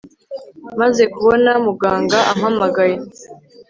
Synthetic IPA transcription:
maze̞kuβo̞namuɡaːŋɡaʔamhamaɡaje̞

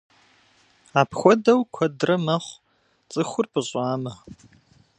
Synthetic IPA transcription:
aːpxʷɔdɐwkʷʰɔdrɐmɐχʷ | t͡sʼɨxʷʊrpʰɨɕʼaːmɐ

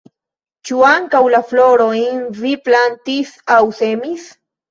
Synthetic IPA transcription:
t͡ʃuaŋkawlafloɾoinviplant̪isawsemis

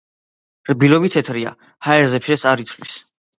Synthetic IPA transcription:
ɾbilɔbit̪ʰɛt̪ʰɾia̰ | haɛɾzɛpʰʃɛsaɾit̪sʰlis

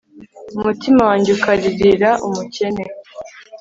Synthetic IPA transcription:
umutimawaːɲɟeukʰaɾiɾiɾaʔumuce̞ne̞

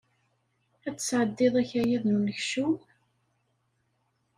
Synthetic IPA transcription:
æt͡sːə̥sʕəd̪ːɪðˤæçæjæðnunəçʃu

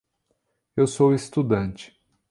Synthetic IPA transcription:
ewsowest̪ud̪ɐ̃t͡ʃɪ̥

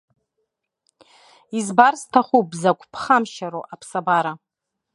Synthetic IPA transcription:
izbarstʰaχupzakʷʰʼpʰχamʃaɾoʔapʰsabaɾa

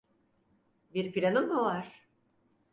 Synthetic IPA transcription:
biɾpʰiɾanɯmːuvaɾ̥

